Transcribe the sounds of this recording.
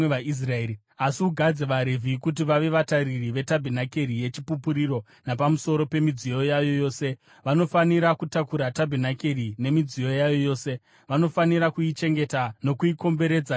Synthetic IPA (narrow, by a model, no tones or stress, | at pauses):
eais̬rae | asiuɡʱad͡zeʋaɾe̞vʱikut̬iʋaʋe̞ʋataɾiriʋe̞tabʱenakerije̞t͡ʃipupuɾiɾo̞ | napamuso̞ɾo̞pe̞mid͡zijo̞jajo̞jo̞ːse̞ | ʋano̞faniɾakutakuɾatabʱenake̞rine̞mid͡zijo̞jajo̞jo̞ːse̞ | ʋano̞faniɾakuit͡ʃe̞ŋɡe̞tano̞kuiko̞mbe̞ɾe̞d͡za